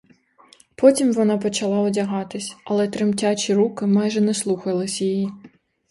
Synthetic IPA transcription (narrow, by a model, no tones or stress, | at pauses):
pɔtʲimʋɔnɑpɔt͡ʃɐlˠɑɔdʲɐɦɑt̪ɪsʲɐlˠɛt̪ɾɪmtʲat͡ʃʲiɾukɪmɑjʒɛnɛslˠuxɐlˠɪsʲjiji